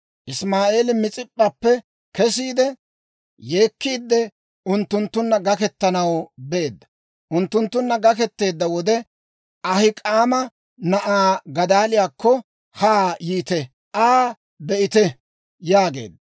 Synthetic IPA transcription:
ʔɪsmaːʔe̞ːlɪmɪt͡sʼɪpʼːɐpːɛ | kɛs̬iːd̪ɛ | je̞ːkːiːd̪ːɛ | ʊnt̪ːʊnt̪ːʊnːɐɡɐkɛt̪ːɐnɐwbɛeːd̪ːɐ | ʔʊnt̪ːʊnt̪ːʊnːɐɡɐkɛt̪ːe̞ːd̪ːɐwɔd̪ɛ | ʔɐhɪkʼaːmɐ | nɐʔaːɡɐd̪aːlɪjaːkːɔ | haːjiːt̪ɛ | ʔaː | bɛʔɪt̪ɛ | jaːɡe̞̰ːd̪ːɐ

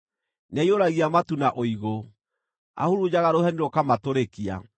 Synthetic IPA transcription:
naioɾaɣiamatunaʔoiɣo | a̰huɾud͡ʑaɣaɾohɛniɾokamatoɾekia̰

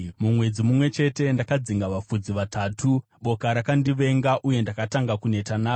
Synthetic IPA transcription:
mumwe̞d͡zimumwe̞t͡ʃe̞te̞ndakad͡ziŋɡaʋafud͡ziʋataːtʰu | ɓo̞kaɾakandiʋe̞ŋɡaʔuje̞ndakataŋɡakune̞tanaː

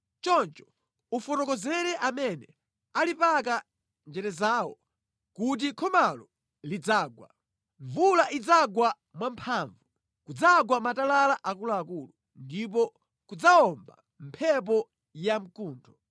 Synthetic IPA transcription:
t͡ʃɔnt͡ʃɔ̥ | ufɔtɔkɔzɛɾɛʔamɛnɛ | alipak̬a | nd͡ʒɛɾɛzaːwɔ̰ | kut̬ikʰɔmalɔ | lid͡zaːɡwa̰ | ɱvulaʔid͡zaɡwa | mwampʰaːɱvu | kud͡zaɡwamatalalaʔakulaːkuːlu | ndip̬ɔ | kud͡zaɔmba̰ | m̩pʰɛp̬ɔ | jam̩kuːntʰɔ̥

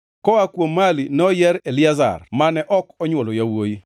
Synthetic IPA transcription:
kɔakwomːalinɔjɛɾelɪaza̰rmanɛʔɔkɔɲwolojawoji

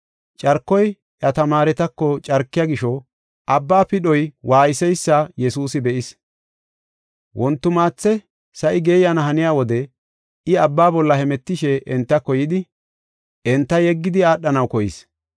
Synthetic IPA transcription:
t͡ʃʼɐɾkːɔj | ʔɐt̪ɐmaːɾɛt̪ɐkːɔt͡ʃʼɐɾkːɪjaːɡɪʃɔ | ʔɐbːaːpɪɗɔjwaːjɪsɛjsːɐjɛsuːsɪbɛʔɪs | wʔɔnt̪ːʊmaːt͡sːɛ | sɐʔɪɡeːjanɐɦɐnɪjaːwɔd̪ɛ | ɪɐbːaːbɔlːɐhɛmɛt̪ːɪʃɛʔɛnt̪ːɐkɔjɪd̪ɪ | ɛnt̪ːɐjɛɡːɪd̪ɪaːɗːɐnɐwkɔjɪ̰s

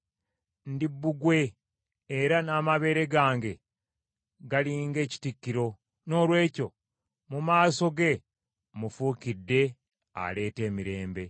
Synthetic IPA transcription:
ndibːuɡwe̞ː | ɾanamaβe̞ːɾe̞ɡaːŋɡe̞ | ɡaliːŋɡe̞ːci̥tikːiɾo̞ | no̞ːlwe̞ːco̞ | mumaːso̞ɡe̞ | mufuːkidːe̞ | a̰le̞ːte̞ːmiɾe̞ːmbe

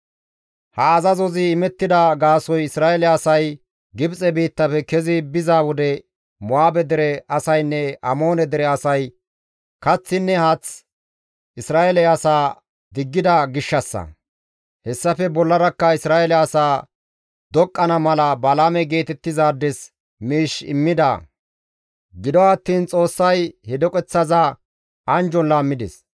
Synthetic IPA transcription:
hɐːzɐzɔzɪːmɛt̪ːɪd̪ɐɡaːsɔjɪsɾaːɛlɛɐsɐj | ɡɪbt͡sʼɛbiːt̪ːɐpɛkɛzɪbɪzaːwɔd̪ɛ | mɔaːbɛd̪ɛɾɛɐsɐjnːɛɐmo̞ːnɛd̪ɛɾɛɐsɐj | kɐt͡sːɪnːɛhat͡s | ɪsɾaːɛlɛɐsaː | d̪ɪɡːɪd̪ɐɡɪʃːɐsːɐ̰ | hɛsːɐfɛbɔlːɐɾɐkːɐɪsɾaːɛlɛɐsaː | d̪ɔkʼːɐnɐmɐlɐbɐlaːmɛɡe̞ːt̪ɛt̪ːɪzaːd̪ːɛs | miːʃɪ̰mːɪd̪ɐ̰ | ɡɪd̪ɔɐt̪ːiːnt͡sʼo̞ːsːɐjhɛd̪ɔkʼɛt͡sːɐzɐ | ɐnd͡ʒɔnlaːmːɪd̪ɛ̰s

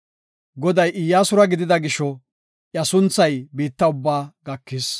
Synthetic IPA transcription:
ɡɔd̪ɐjʔɪjːaːsʊɾɐɡɪd̪ɪd̪ɐɡɪʃɔ | ʔjɐsʊnt͡sːɐjbiːt̪ːɐʊbːaːɡɐkːɪs

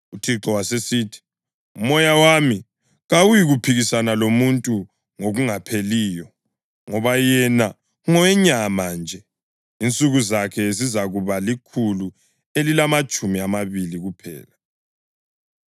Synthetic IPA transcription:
utʰiǁɔwasesiːtʰi̥ | umɔjawami | ɣawujiɣupʰiɣisanalomuntʼu | ŋoɣuŋapʰeliːjɔ | ŋɔβajɛna | ŋɔɛɲamand͡ʒʱɛ | int͡sʼuɣuzakʰɛzizaɣuβalikʰulu | elilamat͡ʃʼumiamaβiliɣupʰɛ̰ːla

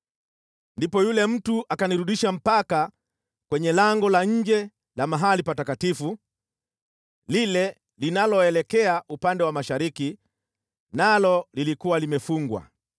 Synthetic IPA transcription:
ndipɔjulɛm̩tuʔakaniɾuɗiʃam̩paka | kwɛɲɛlaŋɡɔlaɲ̩d͡ʒɛ | lamaɦalipatakatifu | lilɛ | linalɔɛlɛkɛaʔupandɛwamaʃaɾiki | nalɔlilikuwalimɛfuŋɡwa̰

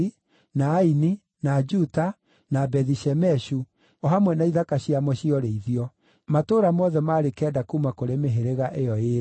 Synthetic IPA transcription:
i | naːini | nad͡ʒuta | nabɛðiʃɛmɛʃu | ɔɦamwɛnaiðakaɕiamɔɕiɔɾeiðiɔ | matoːɾamɔðɛmaɾekɛːdakumakoɾemeɦeɾeɣaʔejɔeɾ

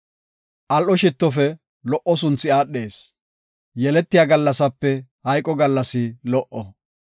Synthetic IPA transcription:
ʔɐlʔɔʃɪt̪ːɔfɛ | lɔʔːɔs̬ʊnt͡sːɪaːɗːe̞ːs | jɛlɛt̪ːɪjaɡɐlːɐsɐpːɛhɐjkʼɔɡɐlːɐsɪlɔʔɔ

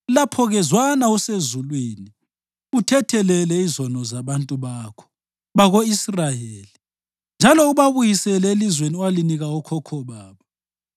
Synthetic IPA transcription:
lapʰɔɣɛzwanausezulwini | utʰɛtʰɛlɛlɛizɔnɔzaβantʼuβaːkʰɔ̥ | βaɣoisrajeːli | nd͡ʒʱalɔuβaβujisɛlɛelizweniwaliniɣaɔkʰɔkʰɔβaːβɔ

